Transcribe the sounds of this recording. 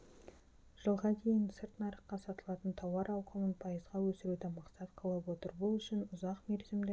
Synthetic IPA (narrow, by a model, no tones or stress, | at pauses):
ʒ̥əlˠʁɑd̪ʰe̞jɪnsɪɾt̪nɑɾəqqːɑsɑt̪əlˠɑt̪ənt̪ʰɑwɑɾɑw̪ˠqʰəmənpʰɑjəzʁɑwɵsɪɾud̪ɪmɑqsɑt̪qʰəlˠəpwo̞t̪əɾbʊlˠʏʃɪnʊzɑqmeɾzɪme